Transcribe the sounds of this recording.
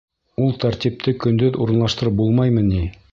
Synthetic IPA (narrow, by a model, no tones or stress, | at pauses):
ulˠt̪aɾt̪ʲip̚t̪ʰɘkɵ̆nd̪ɵðuɾɤ̆nlˠɑʃt̪ɤ̆ɾɤp̚bulˠmɑjmɤni